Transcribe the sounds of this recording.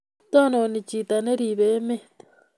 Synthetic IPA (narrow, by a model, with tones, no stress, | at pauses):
t̪a˦nõ˧nĩ˧t͡ʃi˧˨t̪a˧nẽ˦ɾi˧˨βe˨˦mẽ˦t̪